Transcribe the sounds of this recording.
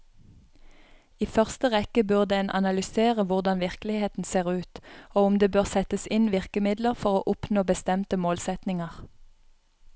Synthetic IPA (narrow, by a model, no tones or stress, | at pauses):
iːfœʁst̪əʁɛkəbʉʁd̪əɛnʔɑ̰nɑlʏseːʁəʋʊʁd̪ɑnʋɪʁklɪheːt̪n̩seːʁʉːt̪oːʊmd̪eːbøːʁsɛt̪əsɪnʋɪʁkəmɪd̪ləʁfɔʁoːʔʊpnoːbəst̪ɛmt̪əmoːlsɛt̪nɪŋəʁ